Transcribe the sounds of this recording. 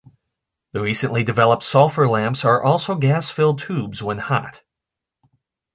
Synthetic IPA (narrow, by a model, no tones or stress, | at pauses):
ðɨɹisɨ̃nʔlidɨvɛlˠəp̚tsɔlˠfə˞læ̃mpsə˞ʔɔlˠsoʊɡæsfɪlˠd̚tʰʉbzwə̃nhɑ̰t̚